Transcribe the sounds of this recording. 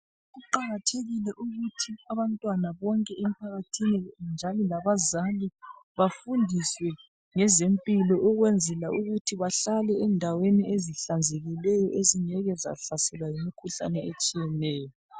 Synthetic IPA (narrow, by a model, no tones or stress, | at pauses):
ɣuǃaɣatʰeɣilɛʔuɣutʰiaβantʼwanaβɔŋkʼɛem̩pʰaɣatʰinind͡ʒʱalilaβazaliβafundʱiswɛ | ŋɛzempʼilɔʔuɣwɛnd͡zʱɛlaʔuɣutʰiβaɬalɛɛndʱaweniʔeziɬand͡zʱeɣilɛjɔʔeziɲɛɣɛza̰ɬasɛlwajimikʰuɬa̰nɛet͡ʃʼijɛnɛːjɔ